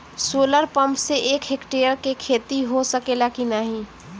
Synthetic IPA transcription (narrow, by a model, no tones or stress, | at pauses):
soːləɾpə̃mpseʔeːkɦekʈeːəɾkekʰeːt̪iɦosəkelakinaɦĩː